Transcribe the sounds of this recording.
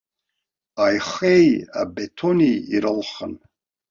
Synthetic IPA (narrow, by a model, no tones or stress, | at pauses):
ajχɛja̰bɛt̪ʰɔniːɾəlχən